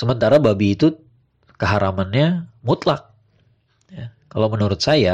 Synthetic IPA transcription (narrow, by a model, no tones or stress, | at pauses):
səmənt̪aɾababiːt̪u | kəɦaɾamanɲamut̪lak̚ | jakalamənuɾʊt̪̚saja